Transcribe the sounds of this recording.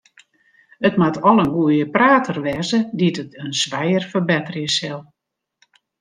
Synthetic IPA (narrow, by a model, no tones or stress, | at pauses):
ətmatʰɔlˠənɡuəjəpraːtʰərʋɛzəditətənsʋɛjərfərbɛtərjəsɛlˠ